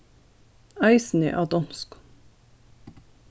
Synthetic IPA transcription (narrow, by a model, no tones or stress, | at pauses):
æɪsn̩ḛʔɑːd̪ɔmsk